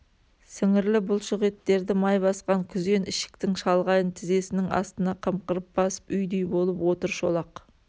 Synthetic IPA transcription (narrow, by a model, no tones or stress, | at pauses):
sɪŋɪɾlɪbʊlˠʃʊʁet̪ːe̞ɾd̪ɪmɑjbɑsqɑŋkʲʰʏze̞nɪʃɪ̥kt̪ɪŋʃɑlˠʁɑjənt̪ʰɪze̞sɪnɪŋɑ̰st̪ənɑqʰəmqəɾəp̚ːb̥ɑsə̥pʏjd̪ejbo̞lˠəpwo̞t̪əɾʃo̞lˠɑq